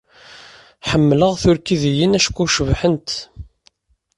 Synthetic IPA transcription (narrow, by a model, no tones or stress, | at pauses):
ħəmːləʁθʊɾkiðijənæʃkʷːuʃvħənt̪